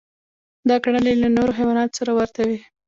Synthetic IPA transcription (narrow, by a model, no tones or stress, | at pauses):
d̪ɑkaɳ̃əlelanoɾoxajwɑnɑt̪o̥saɾawaɾt̪awi